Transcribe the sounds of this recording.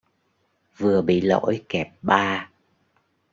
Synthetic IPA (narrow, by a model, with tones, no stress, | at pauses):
vɨ˨˩əɓḭ˧˨lo̰˧˥jkɛ˨˩p̚ɓaː˧